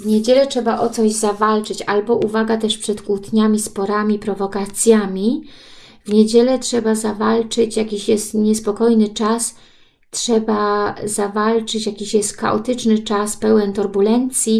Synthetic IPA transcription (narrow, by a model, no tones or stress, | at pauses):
vɲed͡ʑɛlɛtʂɛbaʔɔt̪sɔʑzavalt͡ʂɘt͡ɕalbɔʔuvaɡat̪ɛʂpʂɛt̪kut̪ɲamʲispɔɾamʲipɾɔvɔkat̪sʲjamʲi | vɲed͡ʑɛlɛtʂɛbazavalt͡ʂɘt͡ɕjakʲiɕjɛst̪ɲɛspɔkɔjnɘt͡ʂas | tʂɛbazavalt͡ʂɘt͡ɕjakʲiɕjɛst̪ka̰ʔɔ̰t̪ɘt͡ʂnɘt͡ʂaspɛwɛnt̪uɾbulɛnt̪sʲji